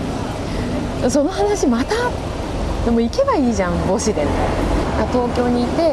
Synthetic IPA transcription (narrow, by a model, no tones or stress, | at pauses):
so̞no̞hanaɕimat̪a | d̪emo̞ike̞baiːʑãmbo̞ɕid̪enat̪o̞ːkʲo̞ːɲ̟iːt̪e̞